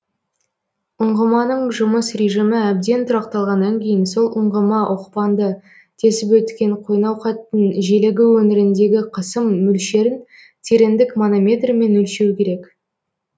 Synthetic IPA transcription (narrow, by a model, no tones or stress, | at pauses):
ʊɴʁəmɑnəɴʒʊməsrʲeʒəmɪæb̚d̪e̞nt̪ʰʊɾɑqt̪ɑlˠʁɑnːɑŋkʲʰe̞jɪnso̞lˠʔʊɴʁəmɑʔoqpɑnd̪ə | t̪ʰe̞sɪpwɵt̪kʲe̞ɴqʰojnɑwqɑt̪ːənʒe̞leɡʲɪwɵnɪɾɪnd̪e̞ɡʲɪqʰəsəmːʏlʃe̞ɾɪn | t̪ʲʰe̞ɾend̪ɪkmonomʲe̞t̪rme̞nɵlʃewkʲʰe̞ɾe̞k